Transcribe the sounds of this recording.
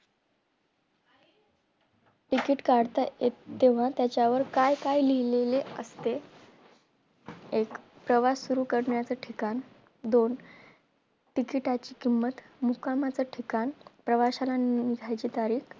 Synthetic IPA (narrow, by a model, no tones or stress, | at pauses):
ʈikiʈkaɽt̪ajet̪t̪ːeʋ̤at̪jat͡ɕjaʋəɾkajkajliileleə̰st̪e | ek | pɾəʋasːuɾuːkəɽɳjat͡səːʈʰikan | d̪on | ʈikiʈat͡ɕiːkimːət̪ | mukamat͡səʈʰikanipɾəʋaɕalaniɡʱajt͡ɕiːt̪aɾiːk